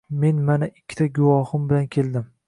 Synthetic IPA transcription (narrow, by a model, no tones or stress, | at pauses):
me̞nmanaɪkʲːɪ̥t̪ʰaɡʊwɒhʊmbɪlankʲʰe̞ld̪ɪm